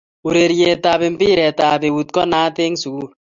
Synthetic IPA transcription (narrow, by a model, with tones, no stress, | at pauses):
u˨ɾe˨ɾjɛ˨ta˨βe˨mpɪ˦ɾɛ˨ta˨pe˨u˨t̪̚kɔ˦naː˦te˦ŋsu˨ku˦˨ɾ